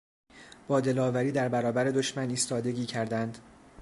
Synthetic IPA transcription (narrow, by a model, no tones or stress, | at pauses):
b̥ɒːd̪e̞lɒːvæɾiːd̪æɾbæɾɒːbæɾe̞d̪o̞ʃmæniːst̪ɒːd̪e̞ɟʲiːcʰæɾd̪ænd̪̥